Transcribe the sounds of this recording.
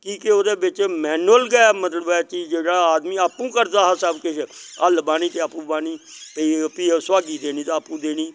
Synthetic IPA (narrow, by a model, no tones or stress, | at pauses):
kiːkeoːd̪eːbɪt͡ʃmɛːnʊəlɡɛmət̪ləbɛːt͡ʃiːd͡ʒeːɽaːaːd̪miːaːpũːkəɾd̪aːɦasəbkɪt͡ʃʰəlbaːñiːt̪eːaːpũːbaːniːt̪iːpiːswaːɡiːd̪eːɽ̃iːt̪aːaːpũːd̪eːɽ̃iː